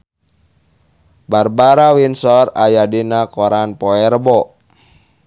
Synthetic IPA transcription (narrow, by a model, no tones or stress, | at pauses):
barbaɾawinsɔrajadinakɔɾanpɔɛrbɔ